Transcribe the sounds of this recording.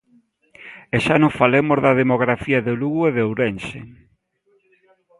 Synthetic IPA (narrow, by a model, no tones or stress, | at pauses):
eʃanofalemozðɐðemoɣɾafiɐðeluɣueðowɾensḛ